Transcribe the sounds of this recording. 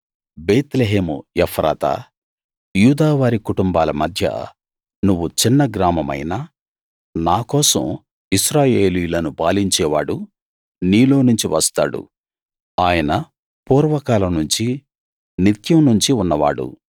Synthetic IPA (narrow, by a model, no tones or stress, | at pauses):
beːt̪leɦeːmṵjɛpʰɾa̰ːt̪a̰ | juːd̪aːʋaːɾikuʈumbaːlɐmɐd̪ʱjɐ̰ | nuʋːut͡ʃinːɐɡɾaːmɐmɐ̰jna | naːkɔːsɐ̰m | iʃɾaːje̞ːlijulɐnupaːliɲt͡ʃɛːʋaːɽu | niːlo̞ːnuɲt͡ʃiʋɐst̪a̰ːɽṵ | aːjɐnɐ | puːɾʋɐkaːlɐnuɲt͡ʃi | nit̪jɐmnuɲt͡ʃiunːɐʋa̰ːɽṵ